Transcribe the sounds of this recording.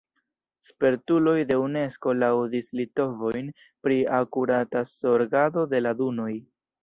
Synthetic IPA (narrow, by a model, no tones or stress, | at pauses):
spe̞ɾtulo̞jde̞une̞sko̞lawdislito̞vo̞jn | pɾiakuɾataso̞ɾɡado̞de̞laduno̞j